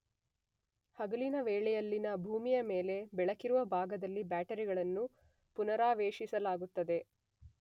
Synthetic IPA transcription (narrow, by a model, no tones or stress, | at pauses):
hɐɡɐlinɐʋeːɭɛjɐlːinɐbʱuːmijɐmeːle̞bɛɭɐkiɾuʋɐbʱaːɡɐd̪ɐlːibaːʈɐɾiɡɐɭɐnːu | punɐɾaːʋeːʃisɐlaːɡut̪ːɐd̪e̞